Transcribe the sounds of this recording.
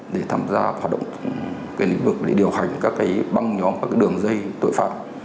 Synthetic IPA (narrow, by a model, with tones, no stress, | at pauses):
ɗe˧˩t̪ʰa̰ː˧mzaː˧hwaː˨˩t̚ɗə̰˧˨wŋ͡m | kaː˨˦lḭ˧˥ŋ̟vɨ˨˩k̚ɗe˧˩ɗi˨˩əwha˨˩jŋ̟kaː˦˥kːaː˨˦jɓa˧ŋɲɔ˨˦mkaː˦˥kːaː˨˦jɗɨ˨˩əŋzə˧jt̪o̰˧˨jfa̰ː˧˩t̚